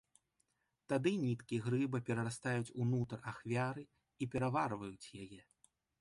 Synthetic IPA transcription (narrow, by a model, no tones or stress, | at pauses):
t̪ad̪ɨnʲit̪kʲiɛɣɾɨbɐpʲɛɾɐɾast̪ajut͡sʲunut̪raxvʲaɾɨ | ipʲɛɾavarvɐjut͡sʲjajɛ